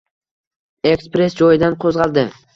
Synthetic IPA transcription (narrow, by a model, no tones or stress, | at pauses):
ekspɾe̞sd͡ʒɒjɪd̪anqʰozʁɑlˠd̪ɪ